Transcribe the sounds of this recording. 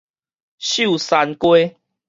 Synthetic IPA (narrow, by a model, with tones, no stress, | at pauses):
ɕu˥˨sa˧nkwe˦